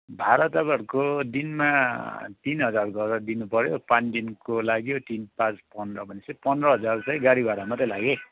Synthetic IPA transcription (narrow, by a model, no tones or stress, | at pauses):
bʱaɾʌt̪ʌɡʌɾkod̪inmat̪inɦʌd͡zarɡʱʌɾʌd̪inupʌɾjopãnd̪inkolaɡjot̪inpãt͡spʌndrʌbʱʌnesʌ̃pʌndrʌɦʌd͡zarsʌ̃j̃ɡaɽibaɾamʌt̪ʌlaɡe